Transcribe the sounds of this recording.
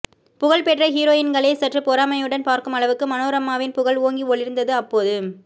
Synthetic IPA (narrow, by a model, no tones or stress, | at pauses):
pʊɣɐɭpɛʈrɐɦiːɾoːjɪnɡɐɭeːsɐʈrɐpɔɾaːmɐjɯɽɐnpaːɾkɯmɐɭɐʋɯkːɯmɐnoːɾɐmːaːʋɪnpʊɣɐɭoːŋɡiɔɭɪɾɯnd̪ɐðɯɐpːoːðɯ